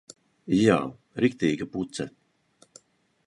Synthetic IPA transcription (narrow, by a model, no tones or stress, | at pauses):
ja̰ː | ɾikt̪iːɡaput̪sɛ